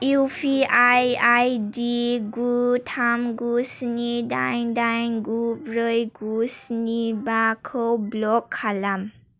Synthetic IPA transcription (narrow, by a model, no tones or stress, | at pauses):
upʰiajajdiɡutʰamɡusnidajdajnɡubɾɯjɡusnibakʰɯwblɔkʰːalam